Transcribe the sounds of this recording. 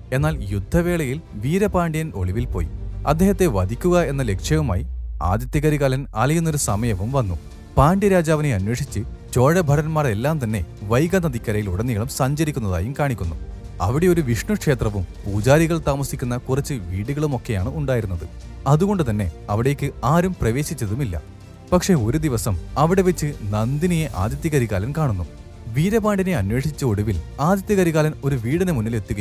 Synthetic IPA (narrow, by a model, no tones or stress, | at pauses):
e̞nːaːljud̪ʱːɐʋe̞ːɭɐjilʋiːɾɐpaːɳɖijɐno̞̰ɭiʋilpo̞ːjḭɐ̰d̪ːeːhɐt̪ːe̞ʋɐd̪ʱikʲːuɣɐe̞nːɐle̞kʂjɐʋuma̰ːjia̰ːd̪jɐt̪jɐɣɐɾiɣaːlɐnɐːlijunːɐo̞ɾusɐmɐjɐʋumʋɐnːu | paːɳɖjɐɾaːd͡ʑaːʋɐneɐnwe̞ːʂit͡ɕːɨt͡ɕo̞ːɻɐbʱɐɽɐnmaːre̞lːaːmt̪ɐnːe̞̰ʋɐjɡɐnɐd̪ʱikʲːɐɾɐjiluɽɐnːiɣɐɭumsɐɲd͡ʑɐɾikʲːunːɐða̰ːjumkaːɳikʲːunːṵ | ɐ̰ʋiɽe̞o̞ɾuʋiʂɳukʂe̞ːt̪rɐʋumpuːd͡ʑaːɾiɣɐɭt̪aːmɐsikʲːunːɐkurɐt͡ɕːɨʋiːɽuɣɐɭumo̞kːe̞jaːɳɨuɳɖaːjiɾunːɐðɨɐðuɣo̞ɳɖɨt̪ɐnːe̞̰ɐʋiɽe̞ːkʲːɨaːɾumprɐʋe̞ːɕit͡ɕːɐðumilːɐ̰ | pɐkʂe̞o̞ɾud̪iʋɐsɐmɐʋiɽe̞ʋet͡ɕːɨnɐnd̪inijeʔa̰ːd̪jɐt̪jɐɣɐɾiɣaːlɐnkaːɳunːu | ʋiːɾɐbaːɳɖineɐnwe̞ːʂit͡ɕːɐoɽuʋilaːd̪jɐt̪jɐɣɐɾiɣaːlɐno̞ɾuʋiːɽinɨmunːile̞t̪ːuɣɐ